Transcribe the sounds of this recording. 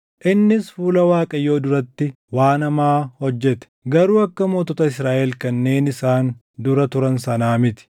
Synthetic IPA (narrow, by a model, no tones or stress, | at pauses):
ʔɪnːɪsfuːlɐwaːkʼɐjo̞ːd̪ʊɾɐt̪ːɪ | waːnɐmaːhɔd͡ʒːɛt̪ɛ̥ɡɐɾuːɐkːɐmoːt̪ɔt̪ɐɪsɾaːʔɛlkɐnːe̞ːnɪsaːn | d̪ʊɾɐt̪ʊɾɐnsɐnaːmɪt̪ɪ̥